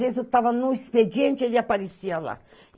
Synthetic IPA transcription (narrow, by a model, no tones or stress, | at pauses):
vezewt̪avɐnʊisped͡ʒiẽnt͡ʃʊelɪapaɾesiɐla̰